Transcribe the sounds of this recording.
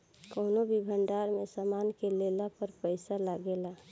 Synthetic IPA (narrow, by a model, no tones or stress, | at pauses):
koːnobʱibʱəɳɖaɾmesaːmaːnkelelapəɾpəɪsalaɡela